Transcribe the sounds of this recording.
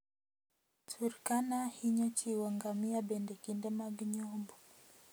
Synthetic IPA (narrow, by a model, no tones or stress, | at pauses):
tʰuɾkanahiɲɔt͡ʃiwaŋɡamiaɓɛndɛkindɛmaɡiɲɔmbɔ